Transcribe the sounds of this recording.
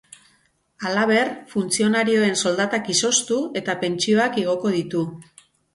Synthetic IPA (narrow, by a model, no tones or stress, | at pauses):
alaβ̞e̞rfunt͡sio̞naɾio̞e̞nso̞ld̪at̪akiso̞st̪ue̞t̪ape̞nt͡ʃio̞akeɣ̞o̞ko̞ð̞it̪u